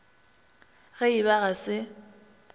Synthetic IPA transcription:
ɣɛibaɣasɪ

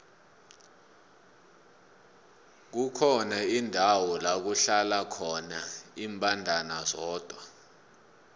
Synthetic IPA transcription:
k̬ukʰɔnaindʱawɔlak̬uɬalakʰɔnaiːmpʼandʱanazɔːd̥ʱwa

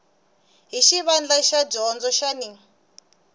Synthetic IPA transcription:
ɦiʃiβand͡ɮaʃad͡ʒɔnd͡zɔʃani

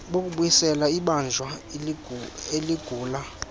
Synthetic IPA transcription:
ɓok̬ʼuɓujisɛlaiɓand͡ʒʱwa | eliɡ̥ʱuːla

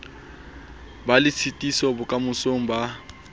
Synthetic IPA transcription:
balɪt͡sʰitʼisɔbʊkʼamʊsoŋ̩ba

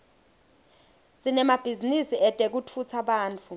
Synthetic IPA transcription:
sinɛmab̥ʱizinisiɛd̥ʼek̬utʰut͡sʰaɓaːnt͡fʰu

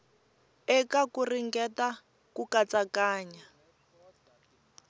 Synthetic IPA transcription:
ɛkakuriŋɡɛta | kukat͡sakaːɲa

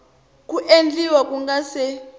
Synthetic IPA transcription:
kʼuʔend͡ɮiwakʼuŋɡasɛ

